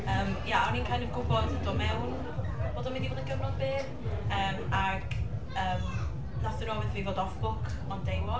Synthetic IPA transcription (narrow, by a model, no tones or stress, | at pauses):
əːmjaɔninkʰaːnəɡʊbɔddɔmɛwn | b̥oːdɔnmɪndivoːdəɡəvnɔðbeː | əːmaɡ̥ | əːm | nasəɾɔːvɪðviːvoːdɔfb̥ʊkʰ | ɔndejmɔ